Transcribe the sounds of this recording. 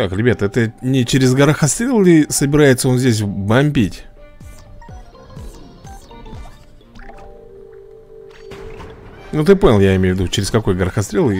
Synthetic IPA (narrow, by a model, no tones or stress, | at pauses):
kakɾʲɪbʲat̪ɛt̪ənʲɪt͡ɕɪɾʲɪzɡəɾəxɐst̪ɾʲelˠʲɪsəbʲɪɾajɪt̪səo̞nzʲdʲes̬ʲbɐmʲbʲitʲ | nut̪ɨpo̞nʲɪlˠjaɪmʲejvʲɪd̪ut͡ɕɪɾʲɪskɐko̞jɡəɾəxɐst̪ɾʲelˠ